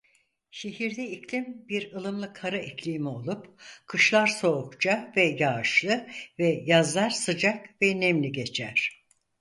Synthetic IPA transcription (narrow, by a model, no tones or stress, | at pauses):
ʃe̞ɦiɾd̪ɛicʰlʲimbiɾɯlˠɯmlˠɯkʰaɾaicʰlʲimio̞lˠupkʰɯʃlˠaɾso̞ːkt͡ʃʰavɛjaːɯʃlˠɯvɛjazlˠaɾsɯd͡ʒakvɛnemlʲiɟe̞t͡ʃʰæɾ̝̥